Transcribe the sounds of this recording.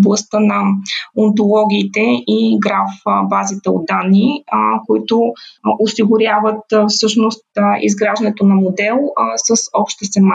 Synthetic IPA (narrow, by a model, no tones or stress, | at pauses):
blˠɐst̪ənɐont̪olˠɔɡʲiːt̪ɛiɡɾafbazit̪ɛo̰d̪̚d̪anːikoit̪ʊosiɡʊɾʲjavət̪fsɤʃnost̪ḭzɡɾaʒd̪ɐnɛt̪onɐmod̪ɛlˠsəsɔpʃt̪ɛsɛma